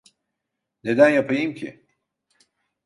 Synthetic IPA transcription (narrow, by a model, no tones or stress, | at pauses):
ned̪ænjapʰajimcʰḭ